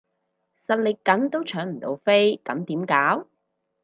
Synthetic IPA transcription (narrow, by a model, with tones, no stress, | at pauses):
sɐ˨t̚lɪ˨kkːɐ˨˥nt̪o˥wt͡ʃʰœː˨˥ŋm̩˨˩t̪o̰˧wfe˥jkɐ˨˥mt̪iː˨˥mkaː˨˥w